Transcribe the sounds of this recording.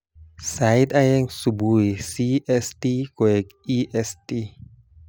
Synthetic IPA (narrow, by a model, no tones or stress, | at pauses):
sajt̪ajɛŋsubujsiʔɛst̪ikoɛkiʔɛst̪i